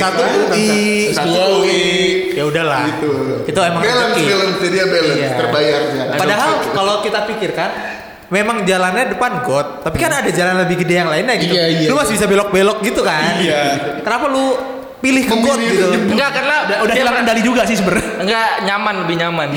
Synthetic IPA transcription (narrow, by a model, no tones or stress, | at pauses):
sat̪ulupiauawijaudahlahit̪ukit̪uemaŋelbeləmt̪idiabeləjaərbajarɲapadaɦalalokit̪apikɪrkan | memaŋd͡ʒalanɲadəpanɡɔt̪ːapikanadad͡ʒalanləbɪhɡədejaŋlaɪnɲaɡit̪lʊmasbisabelɔk̚belɔk̚ɡit̪ukanakənapalʊ | pilɪhkəɡɔt̪̚ɡit̪uŋɡakarnaudaalaɾandalid͡ʒuɡasɪhsəbər | ŋɡaʔɲamanləbɪɲaman